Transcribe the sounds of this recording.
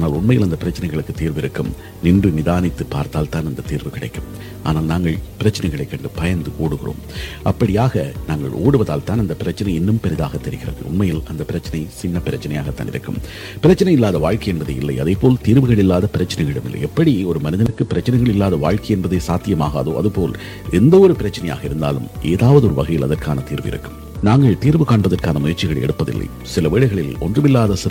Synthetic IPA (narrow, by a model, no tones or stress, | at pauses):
anaːlʊnmɐjɪlɐnd̪ɐpːɪɾɐt͡ʃːɪnɐɪɣɐɭɯkːɯt̪ːiːɾʋɪɾɯkːɯm | nɪndrɯnɪðaːnɪt̪ːɯpːa̰ːɾt̪aːlt̪aːnɐnd̪ɐt̪iːɾʋɯkɪɽɐ̰ɪkːɯm | a̰ːnaːlnaːŋɡɐɭpɪɾɐt͡ʃːɐnɐɪɣɐɭɐɪkːɐɳɖɯpɐjɐnd̪ɯkoːɽɯɣɪro̰ːmɐpːɐɽɪjaːɣɐnaːŋɡɐ̰ɭʔo̰ːɽɯʋɐðaːlt̪aːnɐnd̪ɐpɪɾɐt͡ʃːɐnɐɪɛnːɯmpɛɾɪðaːɣɐt̪ːɛɾɪɣɪɾɐ̰ðɐ̰ɭʊ̰nmɐjɪlɐnd̪ɐpːɪɾɐt͡ʃːɐnɐɪsɪnːɐpɪɾɐt͡ʃːɐnɐja̰ːɣɐt̪ːa̰ːnɪ̰ɾɯkːɯ̰m | pɪɾɐt͡ʃːɐnɐɪɪlːaːðɐʋaːɻkɐɪɛnbɐðḛːɪlːɐɪɐðɐɪpoːlt̪iːɾʋɯɣɐɭɪlːaːðɐpɪɾɐt͡ʃːɐnɐɪɣɐɪɽɯmɪ̰lːɐ̰ɪɛpːɐɽiɔɾɯmɐnɪðɐnɯkːɯpːɪɾɐt͡ʃːɐnɐɪɣɐɭɪlːaːðɐʋa̰ːɻkɐɪɛnbɐðeːsaːt̪ːɪjɐmaːɣa̰ːðo̰ːʔɐ̰ðɯpoːl | ɛnd̪ɐɔɾɯpɪɾɐt͡ʃːɐnɐja̰ːɣɐɪɾɯnd̪a̰ːlɯ̰mʔeːðaːʋɐðɯɔɾɯʋɐɣɐjɪlɐðɐrkaːnɐt̪iːɾʋɯɪ̰ɾɯ̰kːɯm | naːŋɡɐɭt̪iːɾʋɯkaːɳbɐðɐrkaːnɐmʊjɐrt͡ʃɪɣɐɭɛ̰ɽɯpːɐðɪ̰lːɐ̰ɪ | sɪlɐʋiːɭɐɪɣɐɭɪlɔ̰ndrɯmɪlːaːðɐsɪ